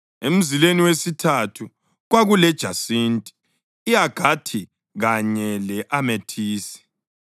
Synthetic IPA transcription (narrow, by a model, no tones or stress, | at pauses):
em̩zileniwesitʰatʰu | ɣwaɣulɛd̥ʒ̥ʱasintʼi̥ː | jaɡ̥ʱatʰi | ɣaɲɛlɛʔametʰiːsi̥